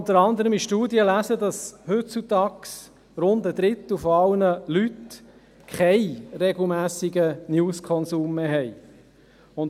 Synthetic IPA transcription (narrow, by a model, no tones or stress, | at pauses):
nt̪əɾɑnd̪əɾəmiʃtuːdjəlæːsədɑshɵt̚t͡sut̪ɑːks | ɾʊnd̪əd̪ɾɪt̪l̩fɔɑlnəlyt | kʰɛɪrɛɡl̩ˠmæːsɪɡənjuːskʰɔnsuːmːeːɦɛɪ | ʊn